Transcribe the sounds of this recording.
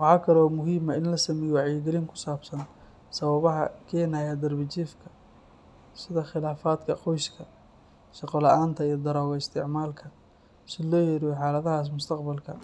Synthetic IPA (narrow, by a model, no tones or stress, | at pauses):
wɑħaːkʰɐlɔːmʊɦiːmɐɪnlɐsɐmɛjwɑʕjɛɡɛlɪŋkʰʊ̥saːbsɐn | sɐβɐβɐɦɐ̰kʰɛːnajɐd̪ɐrbɪt͡ʃiːfkʰɐ̥ | sɪðɐχɪlaːfaːd̪kʰɐqɔjskʰɐ | ʃɑqɔlɐʔaːnt̪ʰɐijɔd̪ɐɾɔːɣɐɪst̪ʰɪʕmaːlkʰɐ | sɪlɔːjɛɾɪjħɑːlɐðɐɦaːs̬mʊst̪ʰɐqbɐlkʰɐ